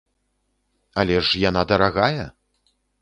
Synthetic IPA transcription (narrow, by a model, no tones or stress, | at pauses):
ɐlʲɛʂjanad̪ɐɾaɣajɛ